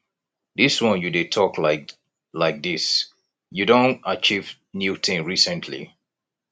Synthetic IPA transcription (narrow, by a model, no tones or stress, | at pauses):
ðɪswʌ̃njudɨtʰɔkʰlaɪk̚ | laɪk̚dis | judõntat͡ʃiv | njutʰĩnɹisə̃ntʰlḭ